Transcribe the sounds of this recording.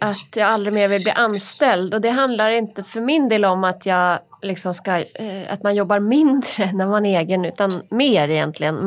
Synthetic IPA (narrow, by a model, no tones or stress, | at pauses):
ʔat̪jɑːɡald̪ɾɪmeːɾvɪlblḭːʔanst̪ɛld̪ɔd̪ɛɦand̪laɾɪnt̪əfœɾmɪnd̪eːlɔmat̪ʰjɑːɡlɪksɔmskaa̰t̪manjɔbːaɾmɪnd̪ɾənæɾmaneːɡənʉ̟ːt̪anmeːɾɛjɛnt̪ʰlɪɡən